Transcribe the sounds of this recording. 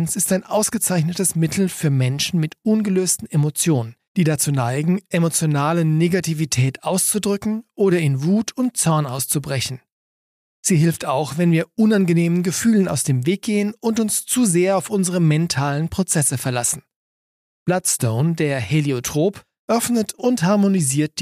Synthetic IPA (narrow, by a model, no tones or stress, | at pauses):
nsɪstaɪnʔaʊsɡ̥ət͡saɪçnətəsmɪtʰl̩fyːɐmɛnʃn̩mɪtʊnɡəløːstn̩emot͡sjoːnənd̥iːdat͡suːnaɪɡŋ̩ʔemot͡sjonaːləneɡatʰivitʰɛːtʰʔaʊst͡sudʁʏkŋ̩ʔoːɾɐɪnvuːtʰʊnt̚t͡sɔɐnaʊst͡subʁɛçn̩ | z̥iːɦɪlftaʊxv̥ɛnviːɐʔʊnanɡəneːmənɡəfyːləna̰ʊsd̥eːmveːk̚ɡ̥eːənʊntʊnst͡suzeːɐaʊfʔʊnzəʁəmɛntʰaːlənpʁ̥ot͡sɛsəfɛɐlasn̩ | b̥latstoʊndeːɐheleotʁ̥oːp | ʔœfnətʊnthaɐmoniziːɐt̚d̥i